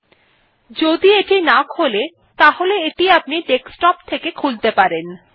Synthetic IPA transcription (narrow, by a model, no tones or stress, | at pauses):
d͡ʑod̪ieʈinakʰole | t̪aɦoleeʈiap̚niʈeksʈɔpt̪ʰekekʰult̪epaɾen